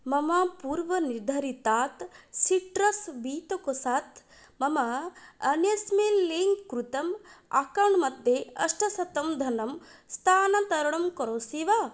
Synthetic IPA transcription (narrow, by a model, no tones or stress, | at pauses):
mɐmaːpuːɾʋɐniɾd̪ʱɐɾit̪aːt̪siʈɾɐsbiːt̪okosaːt̪ | mɐmaɐnjɐsmelːiŋɡkɾut̪ɐma̰kɐɳmɐd̪ʱjeɐʂʈɐsɐt̪ɐmd̪ʱɐnɐm | st̪ʰaːnɐt̪ɐɾɐɳɐmkɐɾoːsiʋaː